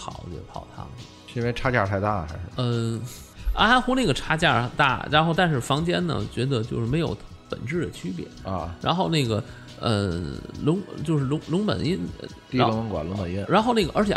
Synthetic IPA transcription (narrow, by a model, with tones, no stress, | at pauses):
xɑ˨˩˦ʊɛ̰˧˩p̪ʰɑ˥˩ʊt̪ʰɑ̰˥˩ŋ˩˧˥nwe˧˥ɪʈ͡ʂʰa˥t͡ɕja˥˧˩t̪ʰa˥˧ɪt̪a˥˩xa˧˥ɪʂɻ̩˥˩ə˧ | a˧˥xwʊ˥na˥˩ɡə˩ʈ͡ʂʰa˥t͡ɕja˥˩t̪a̰˥˩ɻa˧˥nxo˥˧ʊt̪a˥˧nʂɻ̩˥˩fɑ˧˥ŋt͡ɕjɛ˥nnə̰˨˩t͡ɕɥɛ˧˥d̪ə˧t͡ɕjo˥˧ʊʂɻ̩˥˩me˧˥ɪjo̰˨˧˥ʊ | pə̰˨˩nʈ͡ʂɻ̩˥˩d̪ə˩t͡ɕʰy˥pjɛ̰˨˧˩nɐ̰˧ɻa̰˧˥nxo˥˧ʊna˥˩ɡə˩ | ə̰˧lʊ˧˥ŋt͡ɕjo˥˧ʊʂɻ̩˥˩lʊ˧˥ŋlʊ˧˥ŋpə̰˨˩ni˥nə̰˧˩ | i˥˧˥ŋmə˧˥ŋkwa̰˨˩lʊ˧˥ŋpə˨˩ni˥˩nɻa˧˥nxo˥˧ʊna˥˩ɡə˩ʔə˞˧˥t͡ɕʰjɛ̰˨˩